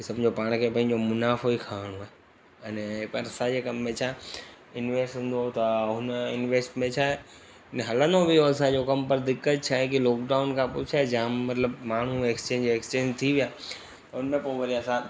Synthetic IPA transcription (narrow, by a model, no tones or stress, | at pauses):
isɐmd͡ʑʱopaːɽ̃kʰepɐ̃ɦɪ̃ɲ̆d͡ʑomʊnaːfoikʰaːɽ̃uae | ɛnɛpɐɾɐsãd͡ʑekɐmːẽt͡ɕʰae | ɪnʋeːsʈɦũːn̆d̪ot̪ɐʊnɪnʋeːsʈmẽt͡ɕʰaːe | nɦɐlə̃nd̪obɪjoɐsãd͡ʑokɐmpɐɾd̪ɪkːət̪̚t͡ɕʰaːɦẽkilɔːk̚ɖaːʊnkʰãpʊt͡ʃʰaːed͡ʑamɐt̪ləbmaːn̤ueːkst͡ɕẽːɲd͡ʑeːkst͡ɕẽːɲd͡ʑt̪ʰiʋijaː | t̪ɐʊnmẽpõːʋɐɾiaɐsã